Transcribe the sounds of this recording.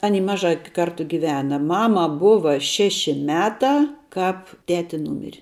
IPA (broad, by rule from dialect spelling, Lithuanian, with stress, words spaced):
ˈɑːˌnʲiː ˈmɑːʒɑː ˈkɐrtʊ ˈɡʲɪʋʲɛnɐ ˈmɑːmɐ ˈbʊʋɐ ˈʃʲæːʃʲɪ ˈmʲæːtɑː ˈkɑːp ˈtʲæːtʲɪ ˈnuːmʲɪrʲɪ